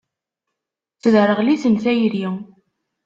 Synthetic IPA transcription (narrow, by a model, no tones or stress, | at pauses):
t͡səðɾˤəʁliθənθæjɾi